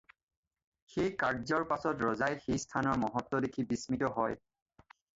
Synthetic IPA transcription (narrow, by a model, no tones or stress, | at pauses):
xejkaɹzɔɹpasɔtɹɔzajxejstʰanɔɹmɔɦɔtːɔdekʰibismitɔɦɔj